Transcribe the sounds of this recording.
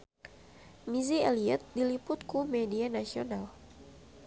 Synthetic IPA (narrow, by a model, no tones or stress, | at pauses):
miziɛliɛt̪̚dilipʊt̪̚kumɛdianasional